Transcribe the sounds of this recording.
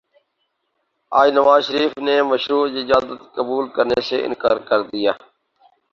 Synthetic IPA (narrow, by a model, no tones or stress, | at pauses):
aːd͡ʒnəʋaːzʃəɾiːfneːməʃɾuːd͡ʒːd͡ʒaːd̪ət̪kəbuːlkəɾneːsḛːʔɪ̰nkaːɾkəɾd̪ɪjaː